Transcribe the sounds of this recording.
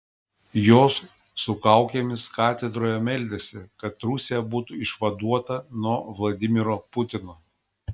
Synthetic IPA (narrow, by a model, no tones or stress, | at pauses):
joːsː | ʊkɐʊkʲemʲɪskɑːt̪ʲɛd̪ɾoːjɛmʲɛlʲd̪ʲesʲɪkɐt̪ɾʊsʲejɛbuːt̪uɪʃʋɐd̪uɔt̪ɐnuɔʋlˠɐd̪ʲɪmʲɪɾoːpʊt̪ʲɪnoː